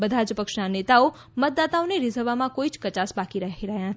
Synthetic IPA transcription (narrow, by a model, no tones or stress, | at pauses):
bəd̪ʱad͡ʒəpəkʃnanet̪ao | mət̪̚d̪at̪aoneɾɪzəɾʋamãkoit͡ʃkət͡ʃasbakiɾəɦiɾəɦjãɦət̪